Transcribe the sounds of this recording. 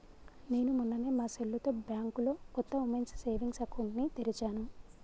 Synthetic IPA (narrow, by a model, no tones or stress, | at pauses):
ne̞ːnumunːɐneːmaːselːut̪o̞ːbjaːŋkulo̞ːkɔt̪ːɐumensse̞ːʋiŋɡsɐkʰunːit̪eɾit͡ʃaːnu